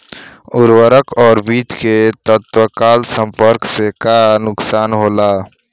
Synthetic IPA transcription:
ʊɾwəɾəkʰɔːɾbiːt̪ket̪ət̪wəkaːlsə̃mpəɾksekanʊksaːnɦoːla

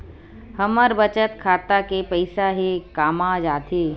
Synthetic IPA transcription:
həməɾbət͡ʃət̪kʰaːt̪akepəɪsaɦikaːmãd͡ʒaːt̪ʰiː

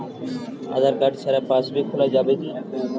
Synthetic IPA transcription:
a̰ːd̪ʱaːɾkaʈsʰaːɾaːpaːsbeːkʰʊlaːd͡ʒaːbeːt̪iː

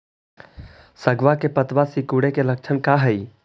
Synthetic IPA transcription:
səɡʋakepət̪ʋasikuɽekelɐk̚t͡ʃʰənkaːɦəi

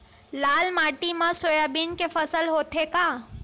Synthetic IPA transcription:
laːlmaːʈimãsoːjaːbiːnkefəsəlɦoːt̪ʰekaː

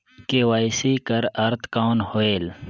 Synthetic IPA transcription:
kewaːjsiːkɐɾɐɾt̪kaːnhoeːl

